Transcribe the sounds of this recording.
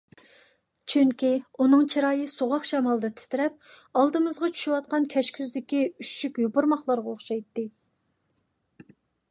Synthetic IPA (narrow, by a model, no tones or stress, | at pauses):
t͡ʃʰyŋkʲiunɨŋt͡ʃʰiɾɑːjɨsoʁɑχʃɛmɑlˠd̪ɨt̪ʰɪ̥t̪ʰɪɾɛp̚ | ɑlˠd̪ɨmɨzʁɑt͡ʃʰy̥ʃywɑt̪̚qɑnkʲʰɛʃkʲʰyzd̪ɪkʲiyʃʃykʲjopʊɾmɑχlˠɑɾʁɑoχʃɑjt̪ːɨ